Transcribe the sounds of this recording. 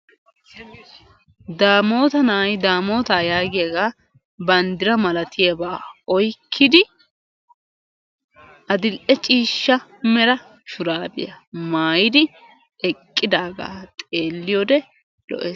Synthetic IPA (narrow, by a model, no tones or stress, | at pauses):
d̪aːmo̞ːt̪ɐnaːjd̪aːmo̞ːt̪aːjaːɡɪjaɡaː | bɐnd̪ɪɾɐmɐlɐt̪ɪjɛbaːɔjkʰːɪd̪ɪ | ʔɐd̪ɪlʔɛt͡ʃʼiːʃːɐmɛɾɐ | ʃʊɾaːbɪ̰jɐmaːjɪd̪ɪ | ɛkʼːɪd̪aːɡa̰ːt̪ʼe̞ːlːɪjɔd̪ɛ | lɔ̰ʔeːs